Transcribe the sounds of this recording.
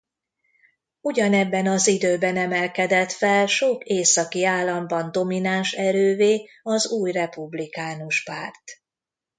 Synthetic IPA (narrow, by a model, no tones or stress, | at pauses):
uɟɒnɛbːɛnɒzid̪øːbɛnɛmɛlkɛd̪ɛt̪fɛlʃokeːsɒkiaːlːɒmbɒnd̪o̞minanʃɛɾøːveː | ɒzuːjrɛpublikaːnuʃpaːrt̪